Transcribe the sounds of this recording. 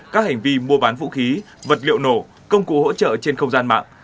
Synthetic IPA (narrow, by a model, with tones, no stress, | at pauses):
kaː˦˥k̚ha˨˩ŋ̟vi˧mu˧əɓaː˨˦nvṵ˧˥xi˨˦ | və˨˩t̚lḭ˧˨əwno˧˩ | kə˧wŋ͡mkṵ˧˨ho̰˧˥t͡ɕə̰ː˧˨t͡ɕe˧nxə˧wŋ͡mzaː˧nma̰ː˧˨ŋʔ